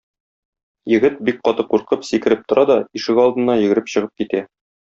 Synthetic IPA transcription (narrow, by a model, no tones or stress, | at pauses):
jɘ̆ɡɘt̪̚bik̚qɒt̪ɤquɾqɤpsikɘ̆ɾɘp̚t̪ŏɾʔɑd̪ɒiʃɘkɒlˠd̪ɤ̆nːɑjɘ̆ɡɘ̆ɾɘpɕɤ̆ʁɤp̚kit̪æ